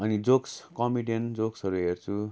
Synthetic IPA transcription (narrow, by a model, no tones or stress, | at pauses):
ʌnid͡zokskʌmiɖend͡zoksʌɾuɦert͡sʰu